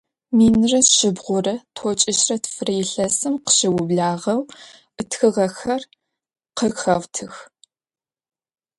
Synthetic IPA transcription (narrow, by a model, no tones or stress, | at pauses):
miːnrɐʃɪbʁʷʊrɐtʰot͡ʃʼɪʃrɐtʰfrɐjɪɬɐsɨmqə̥ʃɪwʊbɮaːʁɐw | ʔɨtxɨʁɐxɐr | qəxɐʁtʰɨx